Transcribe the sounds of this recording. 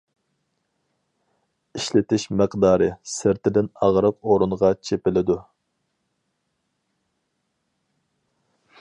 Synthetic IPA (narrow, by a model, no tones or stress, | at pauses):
iʃlɪt̪ʰɪʃməqd̪ɑːɾɨsɪɾt̪ʰɪd̪ɪnɑʁɾəqoɾunʁɑt͡ʃʰepɪlɪd̪u